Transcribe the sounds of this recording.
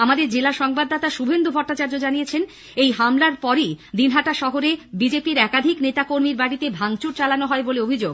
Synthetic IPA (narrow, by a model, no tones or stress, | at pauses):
amad̪eɾd͡ʑelaʃɔŋbad̪ːat̪aʃubʱend̪ubʱɔɾʈat͡ɕaɾd͡ʑod͡ʑanijet͡ɕʰen | ejɦamlaɾpɔɾijd̪inɦaʈaʃɔɦoɾebid͡ʑepiɾɛkad̪ʱiknet̪akoɾmiɾbaɽit̪ebʱaŋt͡ɕuɾt͡ɕalanoɦɔeboleobʱid͡ʑoɡ